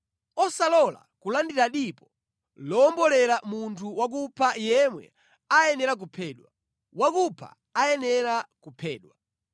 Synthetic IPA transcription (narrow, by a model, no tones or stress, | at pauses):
ɔsalɔla̰kulandiɾaɗipɔ | lɔːmbɔlɛɾamuntʰuwak̬upʰajɛmwɛ̰ | ajɛnɛɾak̬upʰɛːɗwa | wakupʰa̰ːjɛnɛɾakupʰɛ̰ːɗwa